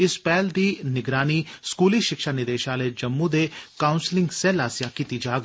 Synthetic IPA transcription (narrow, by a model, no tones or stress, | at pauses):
ɪspɛːld̪iːnɪɡɾaːniskuːliʃɪkʃaːnɪd̪eːʃaːled͡ʒɐmːũd̪eːkaːʊnslɪ̃ŋɡsɛːlaːsjakiːt̪id͡ʒaːɡ